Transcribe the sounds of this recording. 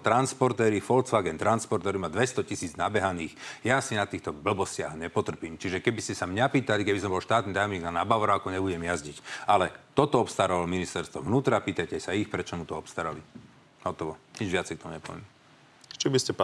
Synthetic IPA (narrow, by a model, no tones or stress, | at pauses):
t̪ɾanspɔɾt̪ɛːɾifɔlt͡sʋaːɡɛnt̪ɾanspɔɾt̪ɛɾimad̪ʋɛst̪ɔcisiːd͡znabɛɦaniːxjasinat̪iːxt̪ɔbl̩bɔscɪa̰ɣɲɛpɔt̪r̩piːmt͡ʃiʒɛkɛbiscɛsamɲapiːt̪alikɛbis̬ɔmbɔlʃt̪aːt̪nit̪ajɔmɲiːɡnanabaʋɾakɔɲɛbuɟɛmjazɟicalɛt̪ɔt̪ɔɔpst̪aɾaʋalɔminist̪ɛɾst̪ʋɔ̰ʋnuːt̪ɾapiːt̪ajcɛsaixpɾɛt͡ʃɔmut̪ɔɔpst̪aɾa̰li | ɦɔt̪ɔʋɔɲid͡ʒʋɪat͡sɛjkt̪ɔmuɲɛpɔ̰ʋɛ̰mɛ | t͡ʃibiscɛp